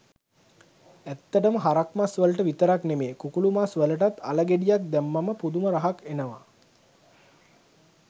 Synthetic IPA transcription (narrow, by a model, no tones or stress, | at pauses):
æt̪ːəʈəməɦaɾakmasʋələʈəʋit̪əɾaknemeːkukulumasʋələʈat̪a̰ləɡeɖijak̚d̪ɛmːaməpud̪uməɾaɦakenəʋa̰